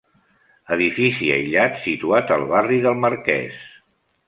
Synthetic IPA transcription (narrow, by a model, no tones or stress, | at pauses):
əðifisiə̰jʎat̪sit̪uat̪əlˠβariðəlˠməɾkɛ̰s